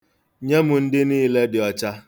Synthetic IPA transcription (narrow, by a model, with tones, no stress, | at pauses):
ɲe˦mʊ˨n̩˦dɪ˦niː˦le˦dɪ˨ɔ˨t͡ʃa˦